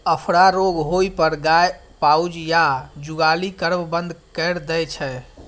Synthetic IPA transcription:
əpʰɾaɾoɡɦoipəɾɡaj | pawd͡ʒjad͡ʒuɡalikəɾbbə̃nd̪ʱkəɾd̪ɛt͡ʃʰɛ

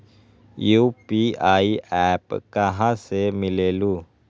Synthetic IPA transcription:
juːpiaːiʔɛːpkɐɦãsemɪleːluː

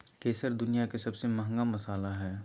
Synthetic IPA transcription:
keːsəɾd̪ʊnijakesɐbsemɐɦə̃ŋɡamɐsaːlaɦɛː

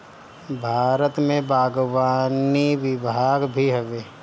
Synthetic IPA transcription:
bʱaːɾət̪mẽbaːɡwaːniʋɪbʱaːɡbʱiɦɛʋeː

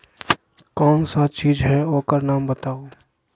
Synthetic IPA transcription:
kɔːnsat̪t͡ʃiːd͡ʒɦɛoːkəɾnaːmbət̪aːo

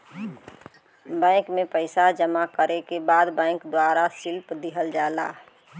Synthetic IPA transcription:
bɛ̃ːɪkmẽpəɪsad͡ʒəmakəɾekebaːd̪bɛ̃ɪkd̪waːɾasɪlpd̪iɦəld͡ʒaːla̰ː

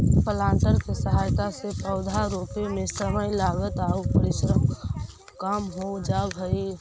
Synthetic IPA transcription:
pəlãːɳʈəɾkesəɦaːjt̪asepəʊd̪ʱaɾoːpemẽsəməjlaːɡət̪aːupəɾɪʃɾəm | kəmɦod͡ʒabʱəi

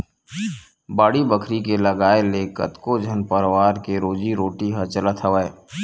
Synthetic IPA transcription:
baːɽibəkʰɾikeləɡaːeleːkə̰t̪kod͡ʒʱənpəɾwaːɾkeɾoːd͡ʒiɾoːʈiɦɐt͡ʃələt̪ʰəʋəe

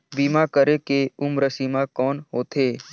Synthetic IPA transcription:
bimakəɾekeʊmɾəsimãkɔːnɦoːt̪ʰeː

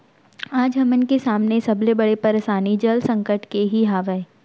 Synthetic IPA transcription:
aːd͡ʒɦɐmənkesaːmnesɐblebɐɽepɐɾeʃaːnid͡ʒɐlsɐ̃ŋkəʈkeɦiɦaːʋəe

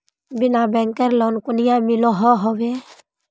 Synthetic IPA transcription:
binabɛŋkɛɾlɔnkunijamilɔɦɔɦɔbɛ

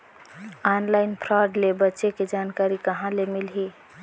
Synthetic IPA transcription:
anlaɪnpʰɾaɖlebətːʃeked͡ʒaːnkaːɾikəɦãlemilɦi

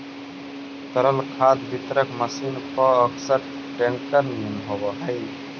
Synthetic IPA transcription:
t̪əɾəlkʰad̪bʱit̪ɾəkməsinpəəksəɾ | ʈeŋkəɾnːumɦobəɦəj

